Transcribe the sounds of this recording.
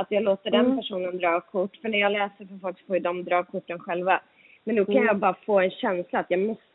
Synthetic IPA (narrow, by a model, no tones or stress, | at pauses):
at̪jɑːloːt̪əɖɛnpæʂuːnənd̪ɾɑːkʰʊʈːfœɳæɾjɑːɡlɛːsəɾfɔfɔlksfɔːɪd̪ɔmd̪ɾɑːkʰʊʈːənɧɛlva | mɛnːʉkʰanjɑːbɑːɾafoːɛnɕɛnslaːt̪jɑːɡmɔs